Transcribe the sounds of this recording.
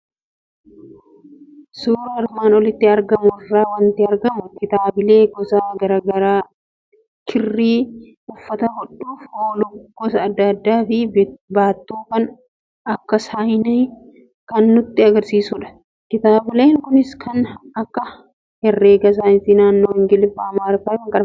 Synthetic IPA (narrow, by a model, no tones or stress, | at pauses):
suːɾɐɾmaːnɔlɪt̪ːɪɐɾɡɐmʊrːaːwɐnt̪ɪɐɾɡɐmʊkɪt̪aːbɪle̞ːɡɔsaːɡɐɾaːɡɐɾaː | kʰɪrːiː | ʊfːɐt̪ɐhɔᶑuːfoːlʊɡ̥ɔsɐːd̪ːɐd̪ːaːfɪbaːt̪ːuːkɐn | ɐkːɐsaːjɪne | kɐnːʊt̪ːɪɐɡɐɾsiːsʊᶑɐ̥ | kɪt̪aːbɪleːŋkʊnɪskʰɐnɐkːɐ | hɛrːeːɡɐs̬aːnt̪ɪnaːnːoːwɪŋɡɪlɪfaːmaːɾfɐɛwɐŋkʼɐᶑɐm